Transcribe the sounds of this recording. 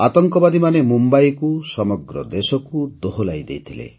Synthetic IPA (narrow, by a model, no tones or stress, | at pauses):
at̪ɔŋkɔbad̪imanemumbajkusɔmɔɡɾɔ̰d̪esɔkud̪oɦolajd̪ejt̪ʰilḛ